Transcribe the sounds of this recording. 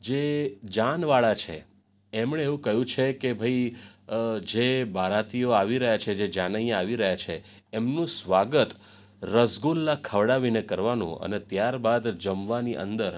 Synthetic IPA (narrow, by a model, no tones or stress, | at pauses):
d͡ʒed͡ʒanʋaɭat͡ʃʰḛ | emɳ̃eeʋũkəɦjũt͡ʃʰekebʱəi | d͡ʒebaɾat̪ijoaʋiɾəɦjat͡ʃʰed͡ʒed͡ʒanəjãaʋiɾəɦjat͡ʃʰeː | mnũsʋaɡət̪ | ɾəsɡulːakʰəʋɽaʋinekəɾʋanṵ̃ə̰net̪jaɾbad̪d͡ʒəmʋaniʔə̰nd̪əɾ